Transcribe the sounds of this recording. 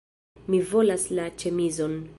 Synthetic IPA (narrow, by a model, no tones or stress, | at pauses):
mivo̞laslat͡ʃemizon